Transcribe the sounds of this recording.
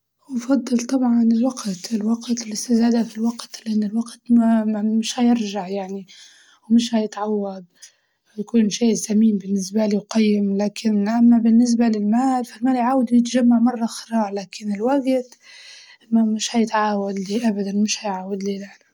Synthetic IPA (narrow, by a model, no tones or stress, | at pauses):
wfɑd̪ˤːɨlt̪ˤɑbʕɑnɪlwaɡt̪ɪlwaɡt̪ɪlɪst̪ɪzaːd̪afilwaɡt̪lʔanːɪlwaɡt̪mamɪʃhajɪɾʒaʕjaʕni | wmɪʃhajɪt̪ʕawːad̪̚ | jakuːnʃaːjzːamiːmbɪnːɪsbaliwqɑjːɪmlaːkʰɪnʔamːabɪnːɪs̬balɪlmaːlfalmaːljʕaːwd̪jɪt̪ʒamːaʕmɑrˤːɑxɪɾˤɑːɾˤlaːkɪnɪlwaɡt̪ | mamɪʃhajɪt̪ʕaːwad̪liʔabad̪anmɪʃhajʕaːwad̪liːlaʕla